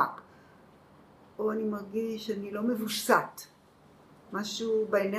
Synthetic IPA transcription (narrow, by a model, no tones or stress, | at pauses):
ak | oanimaʁɡiʃanilo̞mevuʃsat̪ | maʃubeena